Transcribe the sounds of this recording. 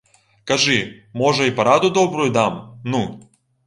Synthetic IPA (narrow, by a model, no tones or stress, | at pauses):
kɐʐɨmɔʐɐipɐɾad̪ʊd̪ɔbɾʊjʊd̪amnu